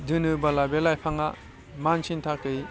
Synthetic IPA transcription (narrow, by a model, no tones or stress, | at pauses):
dɯnɯbalabelajpʰaŋa̰ | mansʰintʰak̚ɯj